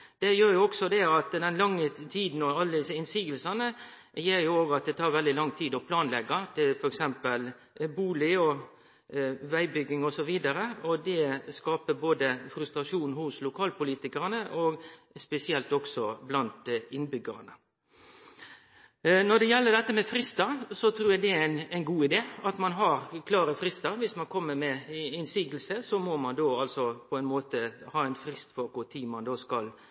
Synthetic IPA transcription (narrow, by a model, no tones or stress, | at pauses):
d̪̥ɛjøːɾjʊɔɡsɔd̪ɛɑt̪d̪ɛnlɑŋːət̪ʰiːd̪n̩ɔɑlːəd̪ɪsəɪnsiːɡəlsɑnə | jeːɾjʊoːɡɑt̪̚d̪ɛt̪ʰɑːɾʋɛld̪ɪlɑŋːt̪ʰiːd̪ɔpʰlɑːnlɛɡɑt̪ʰɪlfɔɾɛksɛmpəl | buːlɪɔ | ʋæɪbʏɡɪŋɔsɔʋiːd̪ɑɾəɔd̪ɛskɑːpəboːd̪əfɾʉst̪ɾɑʂuːnhʊslʊkʰɑːlpʊliːt̪ɪkəɾənəʔoɡspɛsɪɛlt̪ɔksɔblɑnt̪ɪnːbʏɡəɾənə | nɔɖ̪ɛjɛlːəɖ̪ɛt̪ːəmɛfɾɪst̪ɑsɔt̪ʰɾuːɾjæd̪ɛænæɪnɡuːɪd̪eːɑt̪mɑnɦɑɾkʰlɑːɾəfɾɪst̪ɑɾʋɪsmɑnkʰɔmːəɾmɛɪnsiːɡl̩səsɔmɔmɑnd̪oːɑlsɔpʰɔɛɪnmoːt̪əhɑːɛɪnfɾɪst̪fɔɾkʊt̪ʰiːmɑnd̪oːskɑl